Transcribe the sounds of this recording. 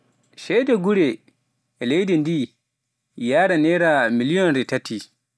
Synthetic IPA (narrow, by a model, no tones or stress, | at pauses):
ʃɛjdɛɡuɾɛ | ɛlejdɛndi | jaːɾanɛɾamilijɔnɾɛtatʰːi